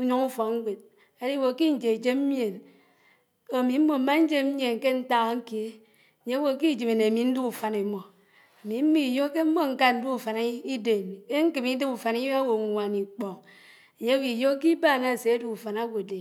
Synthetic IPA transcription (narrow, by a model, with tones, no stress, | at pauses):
u˦ɲo˦ŋu˦fo˨ŋ̩˦ɡʷe˨d̚ | a˦di˦wo˨ki˦n̩˨d͡ʒe˨d͡ʒe˦m̩˦mje˨n | o˨mi˨m̩˦mo˨m̩˦ma˦n̩˦d͡ʒe˦m̩˦mje˨nke˦n̩˦ta˦ɣa˦ŋ̩˦ke˨e˦˨ | ɲe˦wo˨ki˦˨d͡ʒi˨me˨ne˨a˨mi˨n̩˦du˦ku˨fa˨ne˨˦mo˨ | a˨mi˨m̩˦mi˦˨jo˦ke˦m̩˦mo˦ŋ̩˦ka˦n̩˦du˦u˨fa˨n˦i˦de˨m˨e˦ŋ̩˦kɨ˨mi˦de˦bu˨fa˨ni˦a˦wo˨˦wa˨ni˨k͡po˨ŋ | e˨ɲe˦wi˨jo˦k̬i˦ba˦˨na˦˨se˨a˦du˦u˨fa˨na˦wo˨de˨